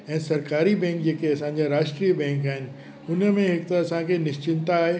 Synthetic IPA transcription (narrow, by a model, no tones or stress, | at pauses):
ɛ̃ːsɐɾkaːɾibɛ̃ːŋk̚d͡ʑeːkeɐsãɲ̆d͡ʑaɾaːʃʈɾiːəbɛ̃ːŋkaːɦɪnɪ̆ | ʊnmẽɦɪkt̪aɐsãkʰenɪʃt͡ɕɪnt̪aːɦe